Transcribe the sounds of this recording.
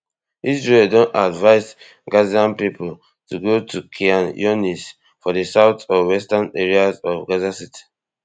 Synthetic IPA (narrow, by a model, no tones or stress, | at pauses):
isɹeldõnadvaɪz | ɡaziãnpipul | tuɡotʰukʰiãnjɔnis | fɔdəsaʊtʰɔwɛstaneɹiazɔvɡazasiti̥